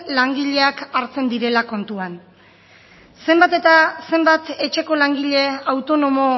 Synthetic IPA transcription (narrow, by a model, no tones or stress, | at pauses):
laŋɡiʎe̞akaɾt͡se̞nd̪iɾe̞lako̞nt̪uan | se̞mbat̪et̪ase̞mbat̪e̞t͡ʃe̞ko̞laŋɡiʎe̞awt̪o̞no̞mo̞